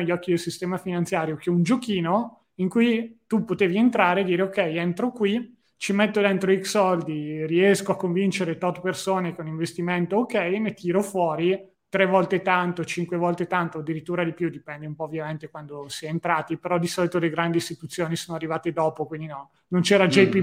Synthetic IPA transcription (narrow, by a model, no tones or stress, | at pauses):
eʎːɔkːid̪elsist̪ɛːmafinant̪sjaːɾjok̟eund͡ʒokiːno | iŋkujt̪upot̪eːvient̪ɾaːɾed̪iːɾeokːɛjent̪ɾokwi | t͡ʃimet̪ːod̪ent̪ɾoiksɔld̪iriɛskoakːoɱvint͡ʃeɾet̪ɔt̪persoːnekoniɱvest̪iment̪oːkɛjnet̪iːɾofwɔːɾi | t̪ɾɛvɔlt̪et̪ant̪ot͡ʃiŋkwevɔlt̪et̪ant̪oad̪ːiɾit̪ːuːɾad̪ipjud̪ipɛnd̪eumpɔovːjament̪ekwand̪osiɛent̪ɾaːt̪ipeɾɔd̪isɔlit̪oleɡɾand̪ist̪it̪ut̪sːjoːnisoːnoarːivaːt̪ed̪ɔːpokwind̪inɔ | nont͡ʃɛːɾad͡ʒɛipi